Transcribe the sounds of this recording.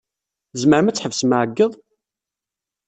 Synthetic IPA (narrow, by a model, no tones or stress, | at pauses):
zməɾmæt͡sːħəvsmaʕəɡːəðˤ